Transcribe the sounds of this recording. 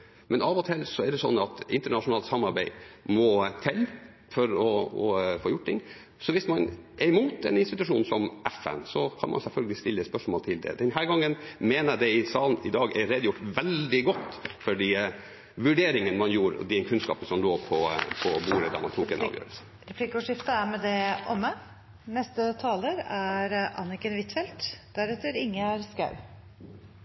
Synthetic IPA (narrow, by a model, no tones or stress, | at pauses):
mɛnɑːʋɔt̪ʰɪlsɔɛɖɛsɔ̰nːɑt̪ɪ̰nt̪əɳɑʂʊnɑːlt̪sɑmːɑɾbæɪmɔt̪ʰɪlː | fɔɾɔɔfoːjʊʈ̚ːt̪ɪŋː | sɔʋɪsmɑnʔɛɾɪmuːt̪ɛ̰nɪnst̪ɪt̪ʉʂuːnsɔmɛfɛ̰nsɔkʰɑ̰nmɑ̰sɛlfœlɡəlɪst̪ɪlːəɛt̪spœʂmoːlt̪ʰɪld̪ɛ̰d̪ɛnɦæːɾɡɑŋːənmeːnəd̪ɛɪsɑːlnɪd̪ɑːɡɛɾɛd̪jʊʈːʋɛld̪ɪɡɔt̪ːfɔɖiː | ʋʉɖeːɾɪŋənmɑnjuːɾɔ̰d̪ɛkʰʉnskɑ̰ːpəsɔmloːpʰɔpʰɔbuːləd̪ɑ̰ːmɑ̰nt̪ʰuːkɛ̰n̰ːʋjø̰ːɾəlsə̥ | ɾɛpʰlikʊʂɪft̪əæɾmɛd̪ɛʔɔmːə | nɛst̪ət̪ʰɑːləɾæɾʔɑ̰nɪkənʋɪt̪fɛlt̪d̪̥æɾɛt̪ːəɾɪŋːəæɾskɑʉ